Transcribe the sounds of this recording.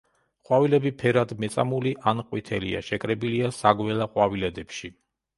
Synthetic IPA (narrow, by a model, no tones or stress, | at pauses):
χʼwavilɛbipʰɛɾad̪mɛt̪sʼa̰muliʔanqʼwit̪ʰɛlḭa̰ʃɛkʼɾɛbiliasaɡwɛlˠaqʼwavilɛd̪ɛpʃi